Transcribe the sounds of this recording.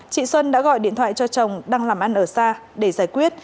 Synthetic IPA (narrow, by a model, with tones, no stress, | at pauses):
t͡ɕḭ˧˨swə˧nɗa̰ː˧˥ɣɔ̰˧˨jɗḭ˧˨ənt̪ʰwaː˧˨jt͡ɕɔ˧t͡ɕə˨˩wŋ͡mɗaː˧ŋlaː˨˩mʔa˧nʔəː˧˩saː˧ɗe˧˩zaː˧˩jkwi˦˥ət̚